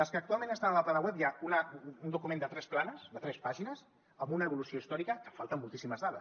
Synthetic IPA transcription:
əlˠskəːk̚t̪ualˠmenəst̪anələplanəwɛpjaunəund̪ukumẽnd̪ət̪ɾɛsplanəsd̪ət̪ɾɛspaʒinəz | əmbunəːβ̞ulusioist̪ɔɾikəkəfalˠt̪əmːulˠt̪isiməzðaðə̰s

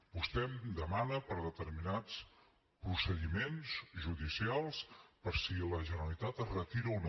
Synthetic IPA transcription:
bust̪ɛmd̪əmanəpəɾðət̪əɾminat͡s | pɾusəðimenzʒuðisialˠspəɾsiləʒənəlit̪at̪rət̪iɾəun

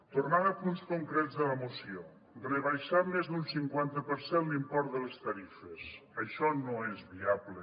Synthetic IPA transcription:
t̪urnaðəpunskuŋkɾɛdzðələmusio | rəβəjʃamezðunsiŋkwant̪əpəɾsenlimpɔɾt̪̚d̪ələst̪əɾifəsəʃɔnoezβiaβlə

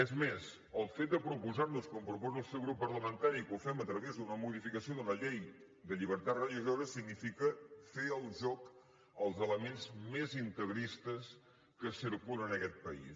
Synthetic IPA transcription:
ezmes | əlˠfet̪̚d̪əpɾupuzaɾnuskompɾupɔzəlˠsɛwɣɾupːəɾləmənt̪aɾikufɛmət̪ɾəβezd̪unəmuðifikəsioðələʎej | d̪əʎiβəɾt̪at̪rəliʒoɾəsiɡnifikəfeəlˠʒɔk | əlˠzələmenzmezint̪əɣɾist̪əs | kəsiɾkulˠənəkɛt̪̚pəḭs

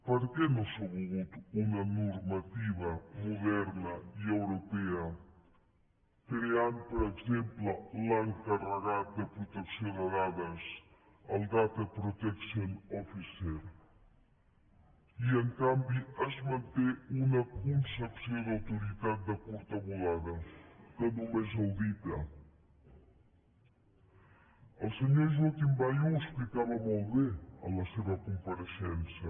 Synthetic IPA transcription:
pəɾkɛnosəɣuɣut̪unənuɾmət̪iβ̞əmuðɛɾnəiəwɾupɛə | kɾeampəɾəɡzemplələŋkərəɣat̪̚d̪əpɾut̪əksioðəðaðəs | əlˠd̪at̪əpɾut̪ɛksionɔfiseɾ | iəŋkambiəzmənt̪eunəkunsəpsioðəwt̪uɾit̪at̪̚d̪əkuɾt̪əβulaðəkənumezəwd̪it̪ə̰ | əlˠsəɲoʒwot̪imbajuəksplikaβəmolˠβeə̰ləseβəkumpəɾəʃɛnsə

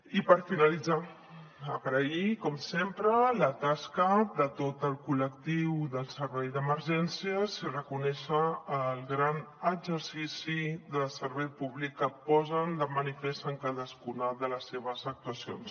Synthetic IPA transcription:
ipəɾfinəlid͡za | əɣɾəikɔmsempɾələt̪askəðət̪ot̪əlˠkuləkt̪iwðəlˠsəɾβɛjðəməɾʒɛnsiəsirəkunɛʃəːlˠɣɾanəɡzəɾsisiðəsəɾβɛjpuβlikːəpɔzənd̪əmənifest̪əŋkaðəskunəðələsːeβ̞əzək̚t̪uəsio̰ns

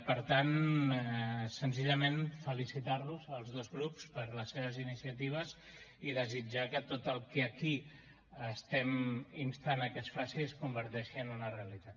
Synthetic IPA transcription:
pəɾt̪an | sənziʎəmenfəlisit̪aɾluzəlˠzðozɣɾupspəɾləsːeβ̞əzinisiət̪iβ̞əziðəzid͡ʒakət̪ot̪əlˠkəəki | əst̪ɛminst̪anəkɛsfɾasiskumbəɾt̪ɛʃiənunəreəlit̪at̪

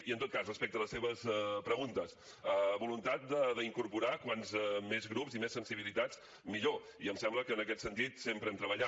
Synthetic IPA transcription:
iənt̪ot̪̚kazrəspɛk̚t̪ələseβəspɾəɣunt̪əs | əβulunt̪at̪̚d̪əðəiŋkuɾpuɾakwanzɛmezɣɾupzimesːənsiβilit̪at͡s | miʎo | iəmsɛmbləkəːnəkɛt̪sənt̪it̪sempɾɛmt̪ɾəβəʎa

